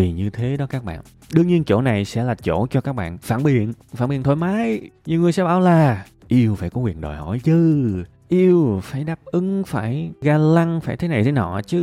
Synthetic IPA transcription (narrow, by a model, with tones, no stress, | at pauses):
i˨˩nɲɨ˧t̪ʰe˨˦ɗɔ˨˦kaː˦˥k̚ɓa̰ː˧˨n | ɗɨ˧əŋɲi˧ənt͡ɕo̰˧˩na˨˩jsɛ̰˧˥laː˨˩t͡ɕo̰˧˩t͡ɕɔ˧kaː˦˥k̚ɓa̰ː˧˨nfaː˧˩nɓi˨˩ənfaː˧˩nɓḭ˨˩ənt̪ʰo˧˩jmaː˨˦jɲɨ˨ŋɨ˨˩əjsɛ̰˧˥ɓaː˧˩wlaː˨˩ | ʔi˧əwfaː˧˩jkɔ˨˦ŋwi˨˩ənɗo̰˨˩jhɔ̰˧˩jzɨ˧ | ʔi˧əwfaː˧˩jɗaː˦˥p̚ʔɨ˨˦ŋfaː˧˩jɣaː˧la˧ŋfaː˧˩jt̪ʰe˨˦na˨˩jt̪ʰe˨˦nɔ̰˧˨t͡ɕɨ˨˦